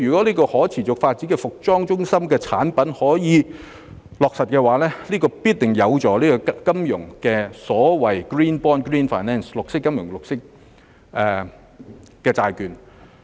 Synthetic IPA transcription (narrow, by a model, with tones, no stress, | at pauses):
yː˨kɔː˨˦˥liː˥kɔː˧hɔː˨˥t͡sʰiː˨˩t͡sʊ˨k̚faː˧t̚t͡siː˨˥kɛː˧fʊ˨k̚t͡sɔː˥ŋt͡ʃʊ˥ŋsɐ˥mkɛː˧t͡sʰa̰ː˨˥npɐ˨˥nhɔː˨˥jiː˨˧ | lɔː˨˩k̚sɐ˨t̚kɛː˧waː˨˥lɛː˥liː˥kɔː˧piː˥t̚t̪ɪ˨˩ŋjɐ˨˧wt͡sɔː˨˥liː˥kɔː˧kɐ˥mjʊ̰˨˩ŋkɛː˧sɔː˨˥wɐ˨˩jkɹiː˥npɔː˥nkɹiː˥nfaː˨˩jnɛː˥nslʊ˨k̚sɪ˥kːɐ˥mjʊ˨˩ŋlʊ˨k̚sɪ˥k̚ | ʔɛ˨˧ | kɛː˧t͡saː˧jkyː˨˧n